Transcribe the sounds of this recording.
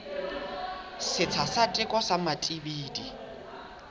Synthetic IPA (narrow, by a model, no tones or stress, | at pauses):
sɪt͡sʰasatʼɪkʼɔsamatʼibiːdi